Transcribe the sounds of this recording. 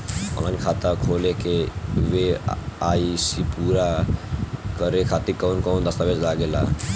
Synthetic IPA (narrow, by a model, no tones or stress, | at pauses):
ɔ̰nankʰat̪akʰolekeʋeaisipuɾa | kəɾekʰat̪ikɔwnkɔnd̪əst̪abed͡ʒlaɡela̰